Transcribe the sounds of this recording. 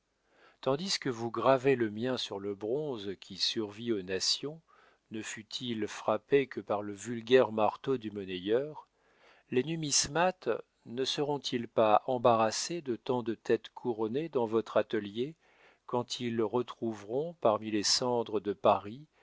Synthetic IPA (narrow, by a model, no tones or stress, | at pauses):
t̪ɑ̃d̪iskəvuɡʁaveləmjɛ̃syʁləbʁɔ̃zkʲʰisyʁvionasjɔ̃ | nəfyt̪ʰilfχapekəpaʁləvylɡʲɛʁmaʁt̪od̪ymənejœʁ | lenymismat̪ | nəsəʁɔ̃t̪ʰilpaʔɑ̃baʁased̪ət̪ɑ̃d̪ət̪ɛt̪kʰuʁɔned̪ɑ̃vɔt̪χat̪əlje | kɑ̃t̪ʰilʁət̪χuvʁɔ̃paʁmilesɑ̃d̪ʁəd̪əpaʁi